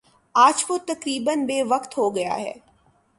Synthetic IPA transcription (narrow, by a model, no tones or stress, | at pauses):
aːd͡ʒʋot̪ɐkɾiːbənbeːʋɐkt̪ɦoɡɐja̰ɦɛ̰ː